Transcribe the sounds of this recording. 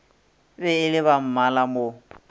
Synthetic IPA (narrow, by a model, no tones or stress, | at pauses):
bɛɪlɪβam̩malamo